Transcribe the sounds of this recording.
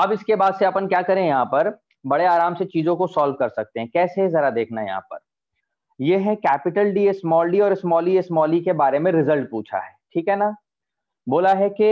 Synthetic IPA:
ɐbɪskebaːd̪seɐpənkjaːkɐɾẽjɐɦãpɐɾ | bɐɽeaːɾaːmset͡ʃiːzõkosɔːlʋkɐɾsɐk̚t̪eɦɛ̃kɛːsezɐɾad̪eːkʰnajɐ̰ɦã̰ːpɐ̰ɾ | jeɦɛkɛːpɪʈəlɖiːɪsmɔːlɖiɔːɾɪsmɔːliɪsmɔːlikebaːɾemẽɾɪzəlʈ̚puːt͡ʃʰa̰ɦɛːʈʰiːkɦɛna | boːlaɦɛke

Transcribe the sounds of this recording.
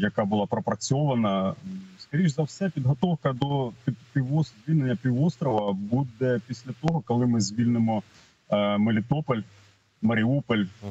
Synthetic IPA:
jɐkabʊlˠapɾɔpɾɐt͡sʲɔʋɐnɐskɐɾʲiʒzɐwsɛpʲid̪ɦɔt̪ɔwkɐd̪ɔpʲipʲiʋɔzʲʋʲilʲnenʲːɐpʲiʋɔst̪ɾɔʋɐbud̪ɛpʲisʲlʲɐt̪ɔɦɔkɔlˠɪmɪzʲʋʲilʲnemɔ | melʲit̪ɔpɔlʲ | mɐɾʲɪupɔlʲ

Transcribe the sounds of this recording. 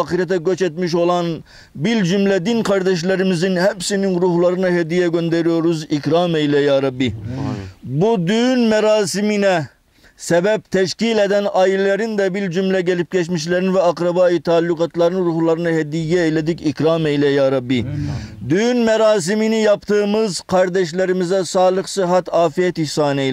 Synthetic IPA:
qɨɾɛt̪ɛɡʲøt͡ʃɛt̪miʃ̬olˠɑn | bild͡ʒymlɛd̪inqʰɑɾd̪ɛʃ̬lɪɾɪmɪzɪnɦɛpsinɪnɾuhlˠɑɾɨnɨɦɛd̪ijɛɡʲønd̪ɛɾijoɾuzikʲɾɑːmɛjlɛjɑːɾɑbːi | bud̪ynmɛɾɑːsɨminɛ | sɛbɛp̚t̪ʰɛʃkʲilɛd̪ɛnɑːjillɪɾɪnd̪ɛbɪld͡ʒymlɛɡʲɛlɪp̚kʲʰɛʃmiʃlæɾɪnvɛɑqɾɑbɑːit̪ʰɑlˠːuqɑt̪lˠɑɾɨnɨɾuhlˠɑɾɨnɨɦɛd̪ijɡʲɛelɪd̪ɪkʲikʲɾɑmɛjlɛjɑːɾɑbːɨd̪ynmɛɾɑːs̬ɨmɪnɪjɑpt̪ʰɨmɨzqʰɑɾd̪ɛʃ̬lɪɾɪmɪzd̪ɛsɑːlˠəχsɨɦɛt̪ɑːfijɛt̪isɑːnɛ

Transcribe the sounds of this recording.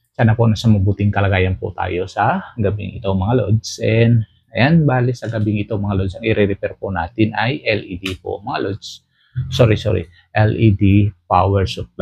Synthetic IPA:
sanapɔnasaməbut̪ɪŋkalaɡajanpo̰t̪a̰josaɡabɪŋḭt̪omaŋalɔ̰dsɛn | janbalisaɡabɪŋit̪omaŋalɔdsaŋiɾiɾipɛrponat̪inajʔɛlidipo̰maŋa̰lɔds | sɔɾisɔ̰ɾḭ | ʔɛlidipawɛrsɔt̪̚

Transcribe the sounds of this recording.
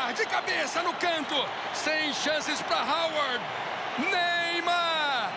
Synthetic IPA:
ahd͡ʒɪkabesɐnʊkɐ̃nt̪ʊ | sẽj̃ʃɐ̃sɪspɾɐɦawaɾd̪ | nejmɐ

